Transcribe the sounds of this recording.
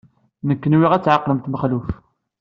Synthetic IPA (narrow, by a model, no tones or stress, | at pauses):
nəkːənwiʁæt͡sːʕaqːləmt̪məχluf